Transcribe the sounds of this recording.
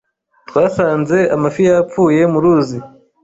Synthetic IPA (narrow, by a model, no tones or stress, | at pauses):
twaːsaːnze̞amafijap͡fuːje̞muɾuːzi